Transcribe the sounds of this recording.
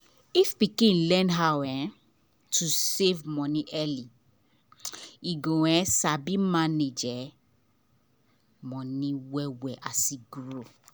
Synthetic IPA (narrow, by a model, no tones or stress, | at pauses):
ifpikĩnlɛ̃nɦawɛ | tʰusevmɔ̃nĩʔɛli | iɡowɛsabimãned͡ʒɛ | mɔ̃nĩwɛwɛʔasiɡɾo